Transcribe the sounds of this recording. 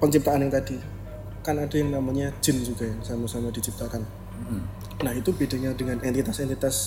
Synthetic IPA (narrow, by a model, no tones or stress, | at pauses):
pəɲt͡ʃip̚t̪aːnjaŋt̪adi | kanadajaŋnamaɲḁd͡ʒ̥ɪ̤nd͡ʒuɡajaŋsamasamadit͡ʃip̚t̪akan | nahit̪ubedaɲadəŋanɛnt̪it̪asɛnt̪it̪as